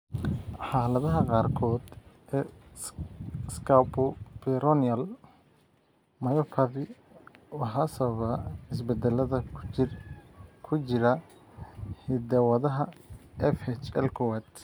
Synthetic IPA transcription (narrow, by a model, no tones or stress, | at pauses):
ħɑːlɐðɐɦɐqɑːrkʰɔːd̪ | ɛ | skʰawpɔpɛɾɔnɐl | mɐjɔpʰɐvɪ | wɑħɐsɐβɐβɐɪs̬bɛd̪ɛlɐðɐ | kʰʊt͡ʃɪɾɐ | hɪd̪ɐwɐðɐɦɐʔɛfhɛt͡ʃɛ̰lkʰɔwɛt̪